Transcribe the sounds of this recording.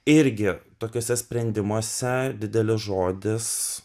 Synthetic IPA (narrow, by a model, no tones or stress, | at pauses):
ɪɾʲɡʲɪt̪oːkʲoːsʲɛsʲpʲɾʲɛnʲd̪ʲɪmoːsʲɛd̪ʲɪd̪ʲɛlʲɪsʒoːd̪ʲɪs